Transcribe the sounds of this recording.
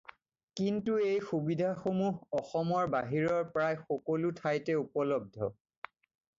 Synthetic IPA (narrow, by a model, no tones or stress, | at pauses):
kintuejxubidʱaxomuɦɔxɔmɔɹbaɦiɹɔɹpɹajxɔkolutʰajtɛupɔlɔb̚dʱɔ